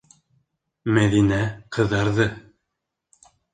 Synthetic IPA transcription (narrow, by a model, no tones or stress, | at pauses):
mæðinæqɤ̆ðːɑɾðɤ